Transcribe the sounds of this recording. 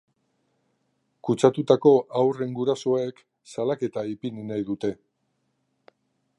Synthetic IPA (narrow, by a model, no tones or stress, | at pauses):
kut͡sat̪ut̪ako̞ʔawre̞ŋɡuɾaso̞ek | salake̞t̪aipinnajðut̪e̞